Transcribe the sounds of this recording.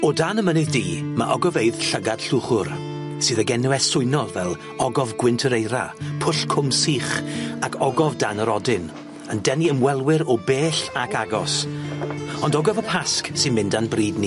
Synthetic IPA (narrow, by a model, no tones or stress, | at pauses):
ɔdanəmənɨðdiːma̰ʔɔɡɔveɨð̥ɬəɡad̥ɬuːχʊr | sɨːðəɡɛnuɛsʊɨnɔlˠvɛlˠ | ɔɡɔvɡwɪntʰəɾejɾa̰pʰʊɬkʰʊmsiːχakʰɔɡɔvdanəɾɔdɪn | əndɛniəmwɛlˠwɪɾɔbeːɬakaɡɔs | ɔndɔɡɔvəpʰasksɨnmɪndanbriːdni